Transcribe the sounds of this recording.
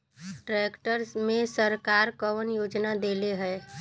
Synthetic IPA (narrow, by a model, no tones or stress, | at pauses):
ʈɾeːkʈəɾsmẽsəɾkaːɾkəʋənjoːd͡ʒnad̪eːleɦɛː